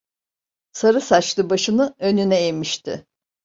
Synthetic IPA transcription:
saɾɯsat͡ʃlˠɯbaʃɯnɯø̞nynɛemiʃt̪ʰɪ̰

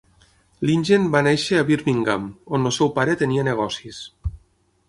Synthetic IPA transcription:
linʲʒenbaneʃeaβiɾmiŋɡa̰monolˠsɛwpaɾet̪enianeɣ̞ɔsis

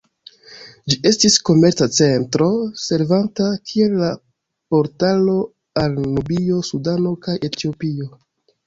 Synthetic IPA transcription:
d͡ʒie̞stisko̞me̞ɾt͡sat͡se̞ntɾo̞se̞ɾvantakʰie̞lːa | po̞ɾtalo̞ | alnubio̞sudano̞kajʔe̞tio̞pio̞

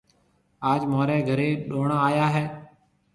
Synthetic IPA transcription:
aːd͡ʒmoːɾɛːɡʱəɾeːɗoːɳaːaːjaːɦɛː

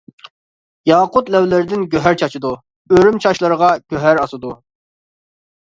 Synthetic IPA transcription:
jɑːqʊt̪lɛwlɪɾɪd̪ɪnɡʲøɦæɾt͡ʃʰɑt͡ʃʰɨd̪u | øɾymt͡ʃʰɑʃlˠəɾəʁɑɡ̥ʲøɦæɾɑsɨd̪u

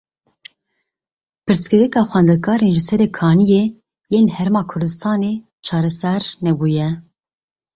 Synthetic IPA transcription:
pʰɨɾskɨɾɛkɑːxʷwɛːnd̪ɛkʰɑːɾeːnʒɨsɛɾɛkʰɑːnijeː | jeːnhɛɾemɑːkʰʊɾd̪ɨst̪ɑːne | t͡ʃʰɑːɾɛsɛɾnɛbuːjɛ

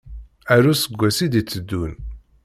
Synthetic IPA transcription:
æɾusəɡʷːæsid̪it͡sːəd̪ːun

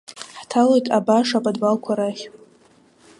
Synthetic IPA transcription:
ħtʰalojtʼabaʂapʼadbalkʷʰaɾaχʲ

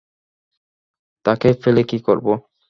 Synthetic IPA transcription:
t̪akefelekikoɾbo

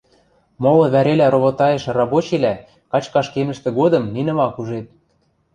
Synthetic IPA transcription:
molɤ̆βæɾelæɾoβot̪ɑjĕʃrɑbot͡ɕelæ | kɑt͡ɕkɑʃkemə̆ʃt̪ĕɡod̪ɤ̆mninɤ̆mɑkuʒet̪̚

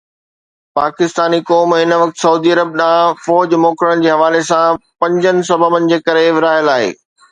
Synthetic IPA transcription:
paːkɪst̪aːnikɔːmɦɪnʋɐk̚t̪sɐuːd̪iɐɾəb̚ɗãːfɔːd͡ʑmoːkɾəñ̆d͡ʑeːɦɐʋaːlesãpɐ̃ɲd͡ʑənɪ̆sɐbəbənɪ̆d͡ʑeːkɐɾeʋɪɾaːɦɪjəlaːɦḛː

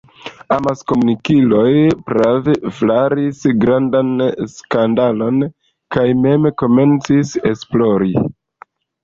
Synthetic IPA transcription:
amasko̞munikilo̞jpɾaveflaɾisɡɾandanskandalo̞n | kajme̞mko̞me̞nt͡sise̞splo̞ɾi

